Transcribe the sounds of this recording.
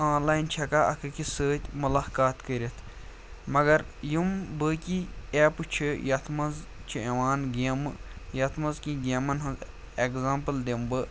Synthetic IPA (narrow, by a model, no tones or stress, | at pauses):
ãːnlaːjint͡ʃʰɐkaʔɐ̰kɨkisəːt̪ʲmulaːkaːt̪kəɾʲit̪ʰ | mɐɡɐɾjumbɨkʲieːpɨt͡ʃʰijɐt̪ʰmɐz | t͡ʃʰieʋaːnɡeːmɨjɐt̪ʰmɐzkĩɡemɐnɦɐnz | ekzãːmpɨld̪embɨ